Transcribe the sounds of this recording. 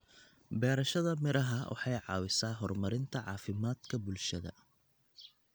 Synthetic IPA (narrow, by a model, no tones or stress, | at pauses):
bɛːɾɐʃɐðɐmɪɾɐɦɐwʔɑ̰ħɑjʕɑ̰ːwɪsaːɦɔrmɐɾɪnt̪ʰɐʕɑ̰ːfɪmaːd̪kʰɐbʊlʃɐðɐ̰